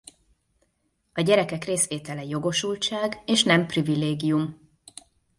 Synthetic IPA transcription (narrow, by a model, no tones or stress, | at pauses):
ɒɟɛɾɛkɛkreːsʋeːt̪ɛlɛjo̞ɡo̞ʃult͡ʃaːɡeːʃnɛmprivileːɡijum